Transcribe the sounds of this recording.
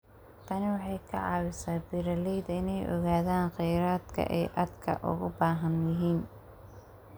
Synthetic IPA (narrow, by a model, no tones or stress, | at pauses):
t̪ʰɐnɪwɑħɑjkʰɐ̰ʕɑːwɪsaːbiɾɐlɛjd̪ɐɪnɛjʔɔ̰ɣaːðaːnqɛjɾaːd̪kʰɐ̰ʔɛjʔɐd̪kʰɐ̰ʔʊ̰ɣʊbaːɦɐnjɪɦiːn